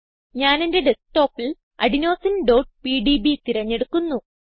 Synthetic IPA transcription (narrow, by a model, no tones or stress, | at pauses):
ɲaːnende̞ɖesʈo̞ːpːil | ɐ̰ɽino̞ːsinɖo̞ːʈ̚piːɖibit̪iɾɐɲːe̞ɽukːunːu